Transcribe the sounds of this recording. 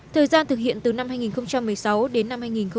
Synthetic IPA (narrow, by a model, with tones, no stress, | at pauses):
t̪ʰəː˨˩jzaː˧nt̪ʰɨ˨˩k̚hḭ˧˨ənt̪ɨ˨˩na˧mhaː˧jŋi˨˩nxə˧wŋ͡mt͡ɕa˧mːɨ˨˩əjsa˨˦wɗe˨˦nːa˧mhaː˧jŋi˨˩nxə˧